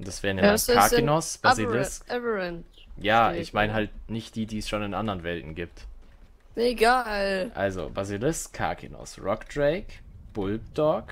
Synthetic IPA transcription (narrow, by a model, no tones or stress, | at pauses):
ʔʊnd̥asv̥ɛːʁnakinɔsb̥azilɪsɛvəɛn | jaːʔɪçmaɪnəɦaltnɪçt̚d̥iːdiːɛsʃoːnɪnʔandəʁənvɛltn̩ɡiːp̚t | eɡaːlʔa̰lzo̰bazilɪskʰa̰kʰḭnɔ̰sʁɔkd̥ʁeɪkb̥ʊlbd̥ɔɐk